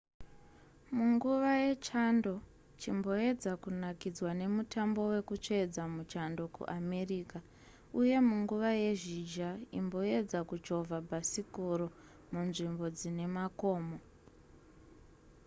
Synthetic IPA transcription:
muŋɡuʋaje̞t͡ʃando̞ | t͡ʃimbo̞e̞d͡zakunakid͡zwane̞mutambo̞we̞kut͡ʃed͡zamut͡ʃando̞kṵʔame̞riːka | uje̞muŋɡuʋaje̞ʐid͡ʒaḭmbo̞e̞d͡zakud͡ʒo̞vʱabʱasikoɾo̞ | munʐimbo̞d͡zine̞mako̞ːmo

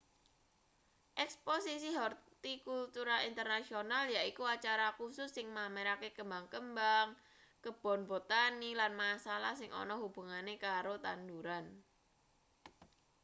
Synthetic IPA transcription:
ʔɛksposisiɦɔrt̪ikult̪uɾaint̪ərnasionaljaikuat͡ʃaɾakusʊsːɪŋmameɾakekəmbaŋkəmbaŋ | kəb̥ɔ̤nbɔt̪anilanmasalahsɪŋʔɔ̰nɔhub̥ṳŋanekaɾot̪and̪uɾan

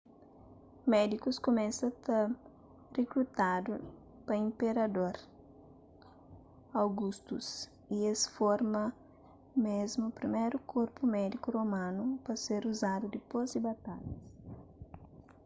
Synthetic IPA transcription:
mɛd̪ikuskomɛ̃sɐt̪ɐ | rekɾut̪ad̪u | pɐĩmpeɾɐd̪oɾ | awɡust̪us | iesfoɾmɐ | mezmupɾimejɾukʰoɾpumɛd̪ikuromãnupɐseɾuzad̪ud̪ɪpozɪbat̪aʎɐs

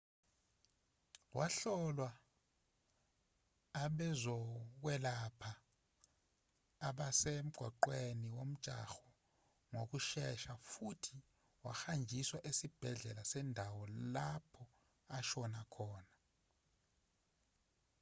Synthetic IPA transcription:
wʔaɬɔlwa | ɓɛzɔk̬wɛlapʰa | ɓasem̩ɡ̥ʱwa̰ǃweniwom̩t͡ʃʼa̰xɔ̥ | ŋok̬uʃɛʃafutʰi | wa̰xand͡ʒʱiswaʔesib̥ʱɛɮɛlasɛndʱawɔlapʰɔ | aʃɔnakʰɔːna

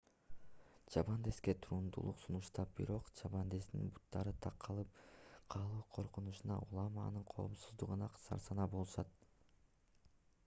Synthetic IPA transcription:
t͡ʃɑbɑnd̪eske̞t̪ʰuɾund̪ṵlˠṵqsunuʃt̪ɑp̚b̥iɾo̞qt͡ʃɑβɑnd̪e̞snḭnbut̪ːɑɾɯt̪ʰɑqːɑlˠɯpqʰɑːlˠuːqʰo̞ɾqunuʃunɑ̰ʔulˠɑmɑ̰nɯɴqʰo̞̰ːmsuzd̪uʁɯnɑqʰsɑ̰ɾsɑnɑbolˠuʃɑt̪

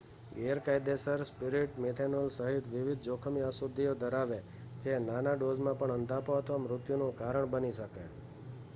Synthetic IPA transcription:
ɡeəɾkajd̪esəɾspɪɾiʈmet̪ʰenolsəɦit̪ʰʋɪʋid̪̚ʱd͡ʒokʰəmiəsod̪ʱːiod̪əɾaʋe | d͡ʒenanaɖozmãpəɳənd̪ʱapt̪ʋəmɾʊt̪junũkaɾəɳbəniʃəkḛ

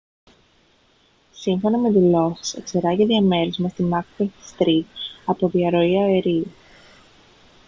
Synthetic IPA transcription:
siɱfo̞nɐme̞t̪iloxsḛkseɾɐʝeðiɐme̞ɾizmɐst̪imɐkpest̪ɾitɐpo̞ðiɐɾo̞iɐeɾiu

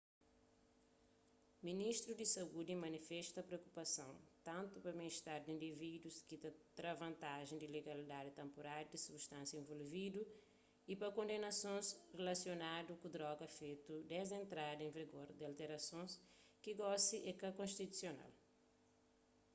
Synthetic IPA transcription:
miniʃt̪ɾud̪isɐud̪imɐnifɛʃt̪ɐpɾeokupɐsɐ̰̃w̃t̪ɐ̃nt̪upɐmiʃt̪aɾd̪ĩnd̪ivid̪wuskit̪at̪ɾavɐ̃nt̪aʒẽj̃d̪ileɡɐlid̪ad̪it̪ẽmpoɾaɾd̪isubʃt̪ãnsjɐẽvolvid̪u | ipɐkõnd̪enɐsõzrelɐsjonad̪ukud̪ɾɔɡɐfejt̪ud̪ɛzẽnt̪ɾad̪ẽviɡoɾd̪alt̪eɾɐsõskiɡɔsiʔekɐkõʃt̪it̪u̥sjona̰l

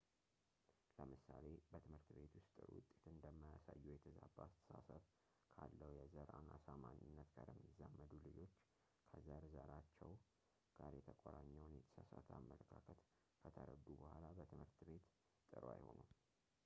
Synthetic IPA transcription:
ləmɨsale̞bət̪ʰɨmhɨɾt̪be̞t̪ʰwʊst̪ʼɨɾwʊ̰t̪ʼːet̪ɨnd̪əmːajasajːujɛt̪ʰəzabaast̪ʰə̥sasəβ | kʰalːəwjɛzəɾanasamaɲɪnːət̪ɡaɾɛmːizamːəd̪ulɨd͡ʒo̞t͡ʃː | kʰəzəɾzəɾat͡ʃːɛw | ɡaɾjɛt̪ʰəkʷʼaɾaɲːawnjɛt̪ʰə̥sasat̪ʰamːələkʰakʰət̪ | kʰət̪ʰəɾəd̪ubəhʷalabət̪ʰɨmhɨɾt̪be̞t̪ | t̪ʼɨɾa̰jho̞nu

